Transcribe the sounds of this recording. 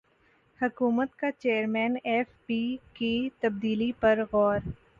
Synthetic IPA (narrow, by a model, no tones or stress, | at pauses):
hʊkuːmət̪kat͡ʃeːəɾmɛːneːfpiːkit̪ɐb̚d̪iːlipɐɾɣɔːɾ